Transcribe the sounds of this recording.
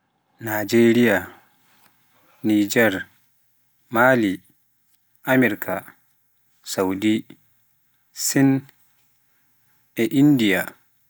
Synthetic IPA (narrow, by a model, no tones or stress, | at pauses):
nad͡ʒeːɾija | nid͡ʒɛɾ | maːli | ʔamɛɾkʰa | sawdi | sin | ɛʔindija̰